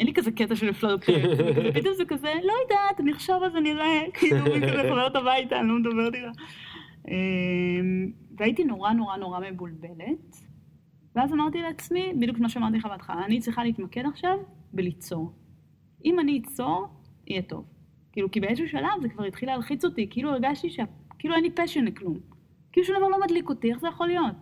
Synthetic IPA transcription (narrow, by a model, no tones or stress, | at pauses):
ʔenlikazeketaʃeliflodtikpit̪omzekazelojidaːt̪niχʃavalzeniʁekiːlluiaekabeltabajtalomed̪abeʁt̪ila | emveaitino̞ʁano̞ʁano̞ʁame̞bulbe̞le̞t | veazamaʁt̪ileːt͡smibid̪jukʃemaʃeamaʁt̪̬iχavat̪χa̰ːnit͡sʁiχaliitmakedaχʃavbelit͡so̞ʁ | imaniːt͡so̞ʁḭjɛto̰v | kiːlukibeesuʃalavzekvaʁit̪χilealχit͡so̞tikiilueʁɡaʃtiʃeakiiːluejnlipaʃenklum | kiːluʃumdavaʁlomadliko̞tieχzejaχo̞lijo̞t̚